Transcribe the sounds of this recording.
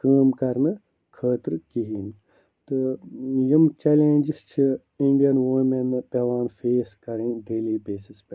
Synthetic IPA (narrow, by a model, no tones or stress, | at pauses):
kɐːmkɐɾnɨ | kʰəːt̪ɾkiɦiːn | t̪ɨjimt͡ʃeːlẽːnd͡ʒist͡ʃʰi | iɳɖijɐnʋoːmenːɨpeːʋaːnfeːskɐɾĩɖeːliːbeːsisp